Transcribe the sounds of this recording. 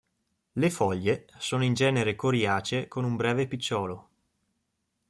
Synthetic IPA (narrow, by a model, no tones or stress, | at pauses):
lefɔʎːesoːnoind͡ʒɛːneɾekoɾjaːt͡ʃekonumbɾɛːvepit͡ʃːɔːlo